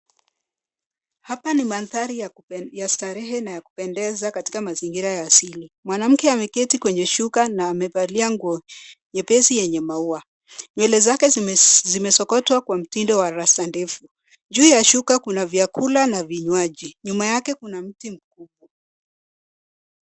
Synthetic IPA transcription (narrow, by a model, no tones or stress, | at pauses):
hapanimanθaɾijajastaɾɛɦɛnajaku̥pɛndɛzakati̥kamaziŋɡiɾajaːsilimwanam̩kɛamɛkɛtikwɛɲɛʃukanaːmɛpaliaŋɡɲɛpɛsijɛɲɛmaua | ɲwɛlɛzakɛzimɛsɔkɔtwakwam̩tindɔwaɾastandɛfu | d͡ʒuːjaʃukakunavjakulanaviɲwaʄiɲumajakɛkunam̩tim̩k̚uɓɔ